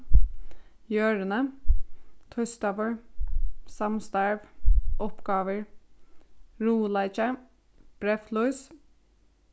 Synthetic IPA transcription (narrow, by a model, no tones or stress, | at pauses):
jøːɹənə | t̪ʰɔst̪ɑʋəɹ | sɑmst̪æɹʋʔɔpɡɑːʋəɹ | ɹuːlæɪt͡ʃə | b̥ɾɛflɔʏs